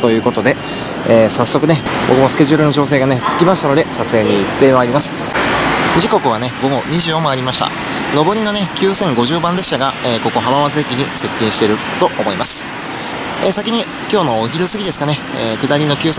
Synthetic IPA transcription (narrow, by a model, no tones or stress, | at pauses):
t̪o̞jɯ̟ːko̞t̪o̞d̪e̞ | eːsasːo̞kɯ̟nebo̞kɯ̟mosɨ̥ke̞ʑɯːɾɯno̞t͡ɕo̞ːs̬e̞ːɡanet͡sɨ̥kʲimaɕi̥t̪ano̞d̪e̞sat͡sɨeɲ̟iːt̪ːe̞βaːɾʲimasɨ̥ | d͡ʑiko̞kɯ̟β̞ane̞bo̞ɡo̞ɲ̟iʑɨːomaːɾʲimaɕi̥t̪a̰ | no̞bo̞ɾʲino̞nekʲɨːsẽ̞ŋɡo̞ʑɨːbãnd̪e̞ɕi̥t̪aɡaeːko̞ko̞ɦabaβazɨekʲiɲ̟ise̞k̪ʲːĩɰ̃ɕi̥t̪e̞ɾɯ̟ | t̪o̞ʔomo̞imasɨ̥ | esakʲiɲ̟i | kʲo̞ːno̞çiɾɯ̟sɨɡʲid̪esɨ̥kane̞ | eːkɯ̟d̪aɾʲino̞kʲɨːse